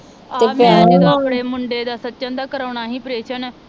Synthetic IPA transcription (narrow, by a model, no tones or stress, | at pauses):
taeːpɛ̃ed̪abɽeːmʊɳɖeːd̪aːsətːt͡ʃãːnd̪aːkəɾaːɳ̃aːɦiːpɾeːʃən